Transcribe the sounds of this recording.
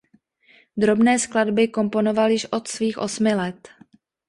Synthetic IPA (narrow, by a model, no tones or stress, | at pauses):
d̪ɾo̞bnɛːskladbɪko̞mpo̞no̞valjɪʃʔo̞t̪sviːxʔo̞̰smɪlɛt̪